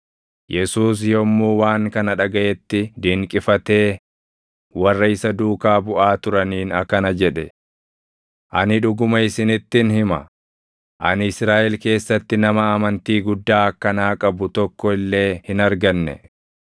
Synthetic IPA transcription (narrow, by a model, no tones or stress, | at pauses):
jʔɛsuːs̬jɔmːuːwaːŋkɐnɐᶑɐɡɐʔɛt̪ːɪd̪iŋkʼɪfɐt̪e̞ː | wɐrːɐɪsɐd̪uːkaːbʊʔaːt̪ʊɾɐniːnɐkːɐnɐd͡ʒɛᶑɛ | ʔɐnɪᶑʊɡʊmɐɪsɪnɪt̪ːɪnhɪmɐ̰ | ʔɐnɪsɾaːʔɛlke̞ːsːɐt̪ːɪnɐmɐːmɐnt̪iːɡʊd̪ːaːɐkːɐnaːkʼɐbʊt̪ɔkːɔɪlːe̞ːhɪnɐɾɡɐnːɛ̰